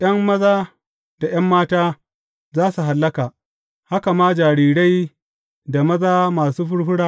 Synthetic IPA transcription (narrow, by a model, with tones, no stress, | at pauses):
ʔjɐ˦mːɐ˦zaː˦ | da˨j̰ɐ˦mːaː˦taː˦ | zaː˦su˨ɦa˨lːɐ˦kaː˨ | ha˦ka˨maː˦d͡ʒaː˨ɾiː˨ɽa˦j | da˨mɐ˦zaː˦maː˨suː˦ɸʊ˦ɽɸʊ˦ɽaː˦˨